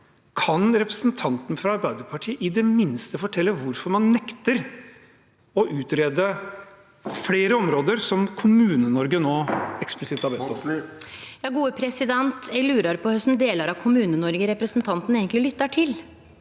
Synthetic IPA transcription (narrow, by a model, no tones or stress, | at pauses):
kʰɑnɾɛpɾəsnt̪ʰɑnt̪n̩fɾɑɑɾbæɪd̪əɾpʰɑʈʰiːəʔɪd̪ɛmɪnst̪əfɔʈʰɛlːəʋʊɾfɔɾmɑnːɛkt̪əɾ | ɔʔʉːt̪ɾeːd̪ə | fleːɾəɔmɾoːd̪əɾsɔmkʰʊmʉːnənɔɾɡənoːɛksplɪsɪt̪ːhɑɾbɛɔ | jɑːɡuːəpʰɾɛsɪd̪ɛnt̪jæɡlʉːɾɑɾpɔhœst̪n̩d̪eːləɾɑʋkʰʊmʉːnənɔɾɡəɾɛpɾəsn̩t̪ʰɑnt̪n̩eːɡəŋtlɪlʏt̪ːɑʈʰɪl